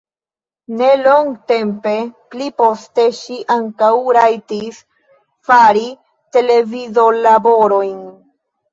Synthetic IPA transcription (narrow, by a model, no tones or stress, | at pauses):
ne̞lo̞ŋɡte̞mpe̞plipo̞ste̞ʃiʔaŋkawɾajtis | faɾi | te̞le̞vizolabo̞ɾo̞jn